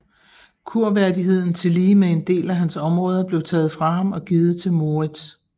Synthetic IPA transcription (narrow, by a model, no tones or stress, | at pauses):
kʰuɐ̰ʋæɐd̥iɦe̝ð̞̰ˠn̩t͡sʰe̝liːmee̝nd̥e̝̰ːlæɦænsɒ̽mʁɔ̽ːð̞ˠɐb̥le̝ʊt͡sʰɛ̰ːð̞̩ˠfʁɑ̈ɦɑ̈mɒ̽ɡ̥iːð̞̩ˠt͡sʰe̝lmo̝ʁid̥s